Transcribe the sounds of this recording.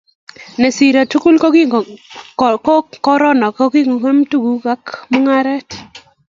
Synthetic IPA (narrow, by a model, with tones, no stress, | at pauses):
ne˨si˨ɾa˨tu˦ku˦lko˦ki˦˨ | kkɔ˦ɾɔ˦nɔ˨kɔ˦ki˦ŋo˨ke˦mtu˦ɡu˨ka˦kmu˦ŋa˦ɾɛ˦t